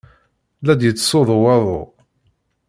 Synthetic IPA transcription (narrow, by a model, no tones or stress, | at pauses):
læd̪jət͡sːsoðˤwɑðˤo̰